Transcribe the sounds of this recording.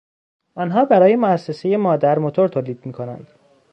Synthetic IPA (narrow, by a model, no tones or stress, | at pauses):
ʔɒnɦɒːbæɾɒːje̞moæsːe̞se̞je̞mɒːd̪æɾmot̪ʰo̞ɾt̪ʰoːliːd̪̚miːkʰo̞næ̰nd̪̥